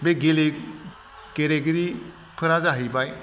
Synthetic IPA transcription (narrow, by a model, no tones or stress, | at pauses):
beɡele | keɾeɡɯɾi | kʰɯɾazaɦɯjbaj